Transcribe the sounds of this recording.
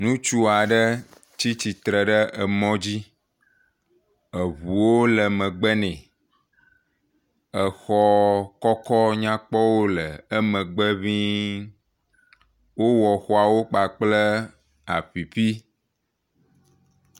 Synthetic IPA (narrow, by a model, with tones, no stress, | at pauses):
nũ˦t͡ʃu˦a˨ɖə˦ | t͡ɕi˦t͡ɕi˨t̪ɾə˨ɖə˦ə˨mɔ̃˦d͡ʑi˦ | ə˨βu˨wo˦lə˨mə̃˨ɡ͡bə˦nɛ̃˨ | ə˨xɔ˦kɔ˦kɔ˦ɲã˦k͡pɔ˦wo˦lə˨ə˦mə̃˨ɡ͡bə˦βĩ˦ | wo˦wɔ˨xɔ˦a˨wo˦k͡pa˨k͡plə˦ | a̰˨ɸi˨ɸi˦